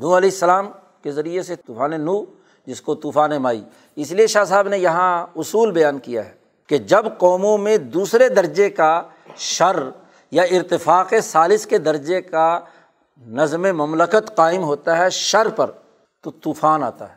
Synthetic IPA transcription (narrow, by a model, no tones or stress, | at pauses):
nũːɐleːɪsːəlaːm | kezɐɾieset̪uːfʰaːnẽnuː | d͡ʒɪskot̪uːfaːnẽmaːḭ | ɪslieʃaːs̬aːbnejɐɦãʊsuːlbɐjaːnkija̰ɦɛː | ked͡ʒɐbqɔːmõmẽd̪uːsɾed̪ɐɾd͡ʒeka | ʃɐɾ | jaɪɾt̪ɪfaːqesaːlɪsked̪ɐɾd͡ʒeka | nɐzmemɐmləkət̪qaːɪmɦoːt̪aɦɛʃɐɾpɐɾ | t̪ot̪uːfʰaːna̰ːt̪a̰ɦɛː